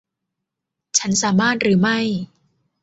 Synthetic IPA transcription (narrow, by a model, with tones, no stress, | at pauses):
t͡ɕʰa˦˥nsaː˨˩˦maː˥˩t̪̚ɾɯː˩˦ma˥˩j